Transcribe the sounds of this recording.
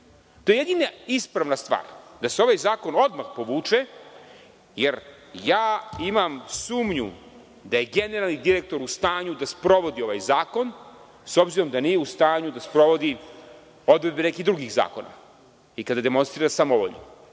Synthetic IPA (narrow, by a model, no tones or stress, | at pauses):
t̪o̞jeed̪inaispɾaʋnast̪ʋa̰ːɾd̪aseo̞ʋajzaːko̞no̞d̪maxpo̞ʋuːt͡ʂe | jeɾ | jaːimamsuːmɲṵ | d̪aje̞ɡe̞neɾalˠnid̪iɾek̚t̪o̞ɾust̪aːɲud̪aspɾo̞ʋo̞d̪io̞ʋajzaːko̞n | so̞bziɾo̞md̪anijeust̪aːɲud̪aspɾo̞ʋo̞d̪i | o̞d̪ved̪̚bene̞kid̪ɾuɡiɣza̰ːko̞̰na̰ | ikad̪ad̪e̞mo̞nst̪ɾiːɾasamoʋo̰ʎo̰